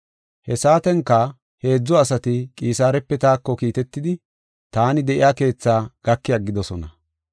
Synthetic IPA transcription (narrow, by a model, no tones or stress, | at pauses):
hɛsaːt̪ɛŋkːɐ | he̞ːd͡zːɔɐsɐt̪ɪkʼiːsaːɾɛpːɛt̪aːkːɔkiːt̪ɛt̪ːɪd̪ɪ | t̪aːnɪd̪ɛʔɪ̰jaːke̞ːt͡sːaːɡ̥ɐkːɪjaɡɪd̪ɔsɔnɐ